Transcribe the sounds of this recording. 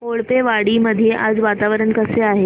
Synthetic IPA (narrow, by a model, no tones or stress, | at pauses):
moɭpeʋaɽiməd̪ʱijeʔad͡zʋat̪aʋəɾəɳkəseaɦe